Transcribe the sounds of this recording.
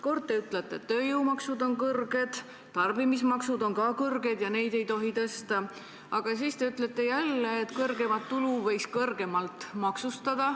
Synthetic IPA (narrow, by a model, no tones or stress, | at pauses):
ko̞rd̪̚t̪ːe̞yt̪ˑlet̪ːˑeḛt̪ːøːjuːmɑksud̪o̞nkɤrɡ̥e̞d̪̥ | t̪ɑrbimismɑksud̪o̞nkɑːkɤrɡe̞d̪jɑne̞jd̪e̞jt̪o̞ɦit̪ɤst̪ɑ | ɑɡ̥ɑsiːst̪e̞yt̪ːˑlet̪ːˑe̞jælːeːt̪kɤrɡe̞mɑt̪ːuluvɤjkskɤrɡe̞mɑlt̪mɑksust̪ɑd̪̥ɑ